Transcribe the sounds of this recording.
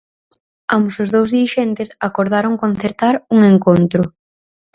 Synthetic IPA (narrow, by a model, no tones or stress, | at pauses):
amʊsʊzðowzðiɾiʃɛnt̪ɪsakoɾð̞aɾoŋkonθeɾt̪aɾuŋeŋkont̪ɾʊ